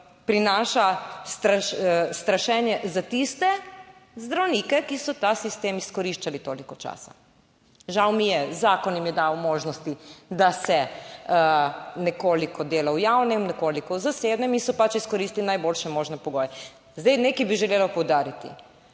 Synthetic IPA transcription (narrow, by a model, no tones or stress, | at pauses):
pɾinaːʃast̪ɾaʃst̪ɾaʃɛnjɛzat̪ist̪ɛzd̪ɾawnikɛkisɔt̪asist̪eːmiskɔɾiʃt͡ʃalit̪oːlikɔt͡ʃa̰ːsa̰ | ʒawmijɛzaːkɔnjimjɛd̪awmoːʒnɔst̪id̪asɛ | nɛkoːlikɔd̪eːlawjawnɛmnɛkoːlikɔwzaseːd̪nɛminsɔpat͡ʃiskɔɾist̪linajboːlʃɛmoːʒnɛpɔɡoːjɛ | zd̪ɛjnekibiʒɛleːlapɔwd̪aːɾit̪ḭ